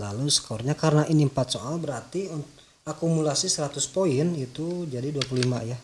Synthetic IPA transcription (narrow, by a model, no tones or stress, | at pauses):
la̰lusə̥kɔrɲakaɾənaʔinimpat̪̚soalbəɾart̪i | akumulasisəɾat̪ʊspoɪnit̪ud͡ʒadiduapululima̰ja